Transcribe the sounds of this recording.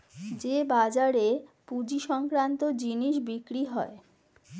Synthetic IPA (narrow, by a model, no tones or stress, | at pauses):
d͡ʑebad͡ʑaɾepud͡ʑiʃɔŋkɾant̪od͡ʑiniʃbikɾiɦɔe